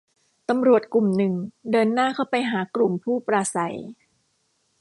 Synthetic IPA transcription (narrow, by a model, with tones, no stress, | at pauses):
t̪a˧mɾu˨˩ət̪̚klu˨˩mnɯ˨˩ŋdɤː˧nːaː˥˩kʰa˥˩wpa˧jɦaː˩˦klu˨˩mpʰuː˥˩pɾaː˧sa˩˦j